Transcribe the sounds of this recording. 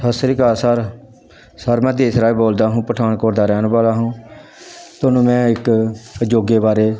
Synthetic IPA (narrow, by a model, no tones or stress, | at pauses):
əsɾiːkaːsaɾ | səɾmɛ̃ːd̪eːsɾaːiboːld̪aːɦũːpəʈʰaːnkoːɾd̪aːɾɛːnbaːlaːɦũː | t̪ʊnũːmɛ̃ːɪkəd͡ʒoːɡeːbaːɾeː